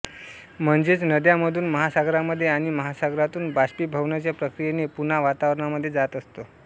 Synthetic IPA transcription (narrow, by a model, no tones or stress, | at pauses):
m̤əɳd͡zet͡snəd̪jaməd̪ʱuːnməɦasaɡɾaməd̪ʱːjeaɽ̃iməɦasaɡɾat̪uːnbaɕpiːbʱəʋnat͡ɕjapɾəkɾijenepun̤aʋat̪aʋɾəɳaməd̪ʱːjed͡zat̪əst̪o